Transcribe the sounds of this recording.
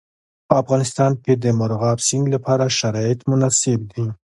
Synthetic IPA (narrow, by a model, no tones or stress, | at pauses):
pəafɣɑnɪst̪ɑnked̪əmʊɾɣɑbsɪŋɡlapʰɑɾaʃaɾɑɪt̪mʊnasɪb̚d̪i